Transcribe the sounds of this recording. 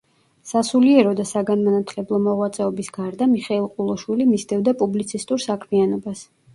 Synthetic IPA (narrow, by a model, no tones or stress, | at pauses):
sasuliɛɾɔd̪asaɡanmanat̪ʰlɛblˠɔmɔʁwat̪sʼɛɔbisɡaɾd̪amiχɛilˠqʼulˠɔʃwilimisd̪ɛvd̪apʼublit̪sʰist̪ʼuɾsakʰmianɔbas